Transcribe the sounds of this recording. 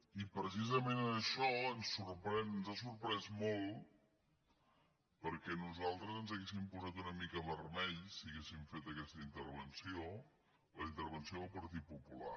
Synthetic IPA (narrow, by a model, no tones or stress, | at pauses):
ipɾəsizəmenəəʃɔənsːuɾpɾɛnnzasuɾpɾɛzmolˠ | pəɾkɛnuzalˠt̪ɾəzənzəɣes̬impuzat̪unəmikəβərmɛʎsiəɣesiɱfet̪əkɛst̪əint̪əɾβ̞ənsio | ləint̪əɾβ̞ənsioðəlˠpəɾt̪it̪̚pupula̰